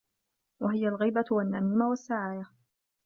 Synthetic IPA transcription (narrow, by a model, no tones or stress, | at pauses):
waɦɪjalɣiːbawanːamiːmawasːaʕaːja